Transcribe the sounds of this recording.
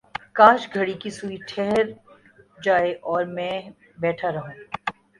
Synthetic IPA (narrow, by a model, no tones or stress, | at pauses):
kãːʃɡʱɐɽikisuiʈʰɛɦɾ | d͡ʒaːeʔɔːɾmɛ̃ː | bɛːʈʰaɾɐɦũː